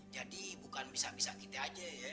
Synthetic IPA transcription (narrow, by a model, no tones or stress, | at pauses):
d͡ʒadibukanbisaʔbisaʔkit̪ead͡ʒəjə